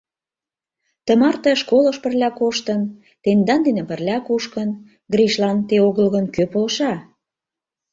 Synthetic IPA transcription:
t̪ə̆mɑrt̪ĕʃkoləʃpə̆rlʲɑkoʃt̪ən | t̪end̪ɑnd̪enə̆pə̆rlʲɑkuʃkən | ɡriʃlɑnt̪eoɣəlɣənkøpolʃɑ

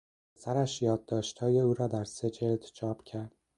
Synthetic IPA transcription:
pʰesæɾæʃjɒːd̪̚ːɒːʃt̪hɒːje̞uːɾɒːd̪æɾse̞d͡ʒe̞ld̪t͡ʃʰɒːpcʰæɾd̪̥̚

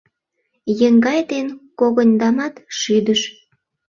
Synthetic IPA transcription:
jə̆ŋɡɑjd̪enkoɣənʲd̪ɑmɑt̪ʃyd̪əʃ

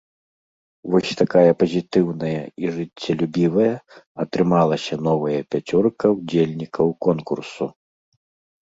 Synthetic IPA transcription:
vɔsʲt̪akajɐpɐzʲit̪ɨwnɐjɐiʐɨt͡sʲːɐlʲubʲivɐjɐɐt̪ɾɨmalˠɐsʲɐnɔvɐjɐpʲat͡sʲɔrkɐwd͡zʲelʲnʲikʰɐwkɔnkursu

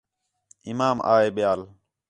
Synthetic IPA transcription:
ɪmaːma̰ːeːɓɪjaːl

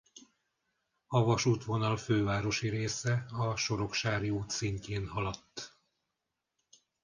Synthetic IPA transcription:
ɒvɒʃuːt̪ʋo̞nɒlføːvaːɾo̞ʃiɾeːsɛɒʃo̞ɾo̞kʃaːrjuːt̪siɲceːnɦɒlɒt̪ː

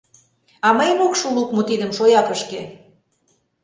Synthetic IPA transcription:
ɑməjmokʃulukmot̪id̪ə̆mʃojɑpəʃke

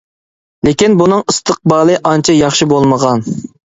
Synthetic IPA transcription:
lɪkʲinbunɨŋist̪ʰəq̚bɑːlˠɨʔɑnt͡ʃʰɑjɑχʃibolˠməʁɑn

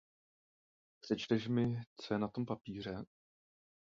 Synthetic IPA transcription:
pr̥ɛt͡ʃt̪ɛʃmɪt͡sojɛnat̪o̞mpapiːr̝ɛ

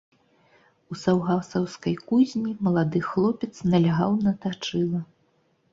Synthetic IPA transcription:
usawɣasɐwskɐjkuzʲnʲimɐlˠad̪ɨxlˠɔpʲɛt̪snɐlʲaɣawnɐt̪at͡ʂɨlˠɐ

